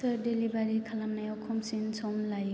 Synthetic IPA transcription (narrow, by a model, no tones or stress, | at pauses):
ɐdelibaɾikʰalamnajɔkʰɔmsinsɔmlaj